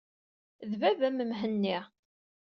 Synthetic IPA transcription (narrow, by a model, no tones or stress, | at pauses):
ðvævæməmɦənːiʁ